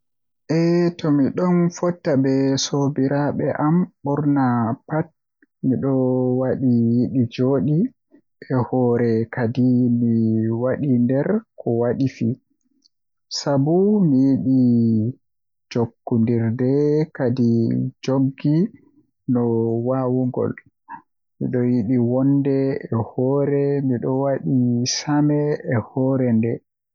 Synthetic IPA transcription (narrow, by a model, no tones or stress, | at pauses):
ʔɛtɔmiɗɔnfɔtːabɛsobiɾaɓɛʔamɓɔɾnapat̚ | miɗɔwaɗijiɗid͡ʒoːɗi | ʔɛhɔɾɛkadimiwaɗindɛɾkɔwaɗifi | sabumijiɗi | d͡ʒokːundiɾdɛkadid͡ʒoɡi | nɔwawuŋɡɔ̰l | mḭɗɔjiɗiwɔndɛɛhɔɾɛmiɗɔwaɗisamɛɛhɔːɾɛndɛ